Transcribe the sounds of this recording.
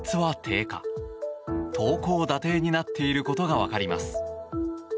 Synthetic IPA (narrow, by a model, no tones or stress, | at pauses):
t͡sɨβat̪ʰe̞ːka̰ | t̪ʰo̞ːko̞ːd̪at̪e̞ːɲ̟inat̪ːe̞iɾɯ̟ko̞t̪o̞ɡaβa̰kaɾʲima̰sɨ̥